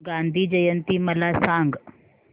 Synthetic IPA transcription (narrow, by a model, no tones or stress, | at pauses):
ɡand̪ʱiːd͡ʑəjənt̪iːməlasãŋɡ